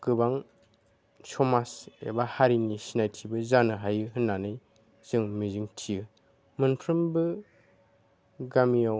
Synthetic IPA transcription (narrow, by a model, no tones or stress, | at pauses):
kɯbaŋ | sɔmasḛbahaɾinisinajtʰibɯzanɯɦajɯɦɯnːanɯj | z̥ɯŋmiziŋtʰijɯ | mɯnpʰɾɯmbɯ | ɡamijaw